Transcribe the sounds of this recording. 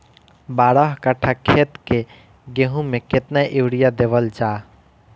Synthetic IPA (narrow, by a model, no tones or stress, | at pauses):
baɾəɦkaʈʰakʰet̪ke | ɡeɦũmeket̪naʔewɽijad̪eʋəld͡ʒa